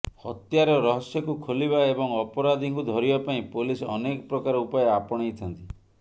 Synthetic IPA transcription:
hɔt̪jaɾɔɾɔɦɔsjɔkukʰolibaebɔŋɔpɔɾad̪ʱiŋkud̪ʱɔɾibapaĩpulisɔ̰nekɔ̥pɾɔkaɾɔupajɔapɔɽ̃ejt̪ʰant̪i

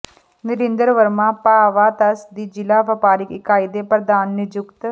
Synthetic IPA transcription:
nɪɾɪ̃nd̪əɾʋəɾmãːpaːʋaːt̪ɐsd̪iːd͡ʒɪlaːʋɐpaːɾɪkɪkaːɪd̪eːpɾəd̪aːnːɪd͡ʒʊkt̪

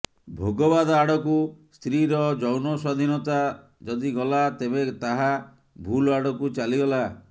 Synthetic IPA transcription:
bʱoɡɔbad̪ɔaɽɔkust̪ɾiɾɔd͡ʒɔwnɔsad̪ʱinɔt̪a | d͡ʒɔd̪iɡɔlat̪ebet̪aɦa | bʱulaɽɔkut͡ʃaliɡɔla

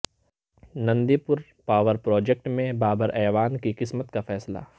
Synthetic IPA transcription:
nɐ̃nd̪ipʊɾ | paːʋəɾpɾɔːd͡ʒek̚ʈmẽbaːbəɾʔɛːʋaːnkiqɪsmət̪kafɛːsla̰

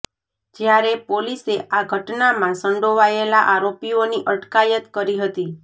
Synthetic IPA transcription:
d͡ʒjaɾepoliseʔaɡʱəʈnamãsəɳɖoʋajelaʔaɾopioniʔəʈkajət̪kəɾiɦət̪i

